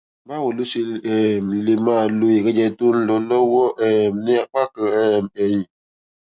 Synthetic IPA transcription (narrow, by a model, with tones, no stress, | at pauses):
ba˦wo˨lu˦si˦ɛ˨m˨le˨ma˦˨lo˦je˨kɛ˦d͡ʒɛ˦˨tu˦n̩˦lɔ˨˦lɔ˦wɔ˦ʔɛ˦˨m˨ne˦a˨k͡pa˦kə˨ɛ˨mɛ˨ɲĩ˨